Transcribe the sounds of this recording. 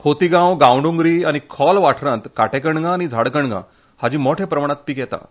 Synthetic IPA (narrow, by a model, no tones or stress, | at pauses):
kʰot̪iɡãwɡãwɳɖũŋɡɾiːañikʰɔlʋaʈʰɾãt̪kaʈekəɳɡãːɽ̃id͡zʱaɽkəɳɡã̰ | had͡ʑiːmoʈʰepɾəmaɳ̃ãt̪̚piːkjɛt̪a̰